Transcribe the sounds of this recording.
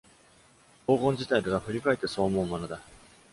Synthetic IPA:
ko̞ːɡõɲ̟d͡ʑit̪aid̪e̞βaɸɯ̟ɾʲikaet̪ːeso̞ːmoːmmonod̪a

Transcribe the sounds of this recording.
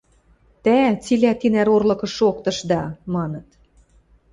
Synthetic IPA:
t̪æt͡silʲæt̪inæɾorlɤ̆kɤ̆ʃokt̪ɤ̆ʃd̪ɑmɑnɤ̆t̪

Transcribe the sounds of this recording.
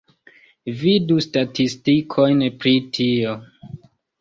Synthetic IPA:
vidustatʰistikʰo̞jnpɾitʰio̞

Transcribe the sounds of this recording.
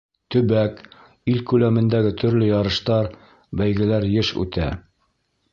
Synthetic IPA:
t̪ɵ̆bæk | ilkʉlæmɘ̆nd̪æɡɘt̪ʰɵ̆ɾlɵjɑɾɤ̆ʃt̪ɑɾ | bæjɡɘ̆læɾjɘʃʉ̰t̪æ̰

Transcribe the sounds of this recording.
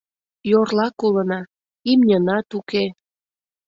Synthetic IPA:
jorlɑkulənɑ | imnʲənɑt̪uke

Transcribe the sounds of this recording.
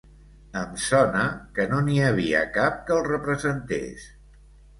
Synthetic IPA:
əmsɔnəkənoniəβ̞iə̰kap̚kəlˠrəpɾəzənt̪ḛs

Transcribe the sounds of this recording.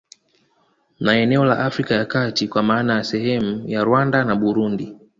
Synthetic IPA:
naɛnɛɔla̰ʔafɾikajakatikwamaːnajasɛhɛmujaɾwandanaɓuɾundi

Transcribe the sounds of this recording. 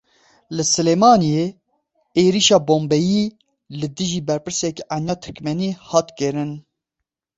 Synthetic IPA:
lɨsɨleːmɑːnije | eːɾiʃɑːboːmbɛjiː | lɨd̪ɨʒiːbɛɾpɨɾsɛkænjɑːt̪ʰɨ̥kmɛniːhɑːt̪kɨɾɨn

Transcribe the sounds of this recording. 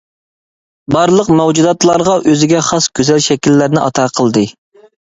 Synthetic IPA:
bɑɾlˠəqmɛwd͡ʒud̪ɑt̪lˠɑɾʁɑʔøzɪɡʲɛχɑsɡ̥ʲøzɛlʃɛkʲilːæɾnɪʔɑ̰t̪ʰɑːqʰəlˠd̪ɨ

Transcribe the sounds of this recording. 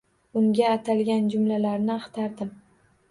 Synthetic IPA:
ʊŋɡʲaːt̪ʰalɡʲand͡ʒʊmlalaɾnɪɑχt̪ʰaɾd̪ɪm

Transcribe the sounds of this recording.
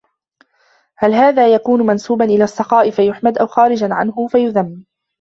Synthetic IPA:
halɦaːðaːjakuːnʊmansuːbanʔɪlaːsˤːɑqɑːʔɪfajʊħmad̪ʔawxɑːɾɪd͡ʒanʕa̰nɦʊfajʊðamː

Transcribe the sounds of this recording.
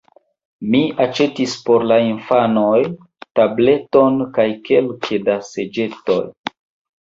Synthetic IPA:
miat͡ʃe̞tispo̞ɾlainfano̞j | table̞to̞nkajke̞lkʰedase̞d͡ʒe̞to̞̰j

